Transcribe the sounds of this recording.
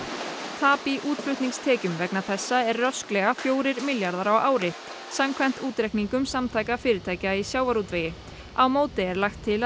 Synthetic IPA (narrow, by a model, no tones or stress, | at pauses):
t̪ʰaːpiʔuːt̪flʏht̪niŋst̪ʰɛːcʏmvɛknaθɛsːaɛɾːœsklɛɣafjoːwɾɪɾmɪljaɾðaɾawʔaːwɾɪ | samkʰvɛn̥t̪uːt̪ɾɛhkniŋkʏmsamt̪ʰaːjkafɪːɾɪɾt̪ʰaːjcaisjaːwvaɾut̪veːjɪ | awmoːwt̪ɪɛɾlajxt̪ʰːɪl